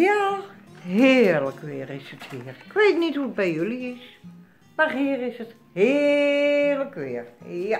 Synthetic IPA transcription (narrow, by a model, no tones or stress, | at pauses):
ja | ɦɪrləkʋɪːrɪsəthiːərɪkʋeːtnithuət̚bɛjøliɪs | marhiərɪsət | hɪ | rləkʋɪːər